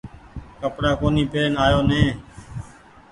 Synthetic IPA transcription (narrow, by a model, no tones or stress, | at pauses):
kəpɽaːkoːniːpeːnaːjoːnẽː